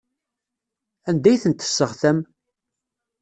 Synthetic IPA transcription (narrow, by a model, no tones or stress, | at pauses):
ænd̪æjθənt̪ːə̥sːəʁθæm